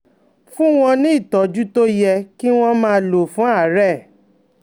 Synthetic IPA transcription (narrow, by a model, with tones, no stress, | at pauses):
fũ˦w̃ɔ̃˧nĩ˨˦i˦˨tɔ˨d͡ʒu˦to˦jɛ˧ki˦w̃ɔ̃˦mãː˦˧lo˨fũ˨˦a˦˨˦ɾɛ˦˨